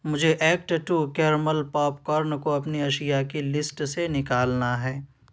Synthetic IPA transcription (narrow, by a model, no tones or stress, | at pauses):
mʊd͡ʒʱeʔɛːk̚ʈʈukɛːɾməlpɔːpkɔːɾnkoɐpniɐʃijakilɪsʈsenɪkaːlnaɦɛː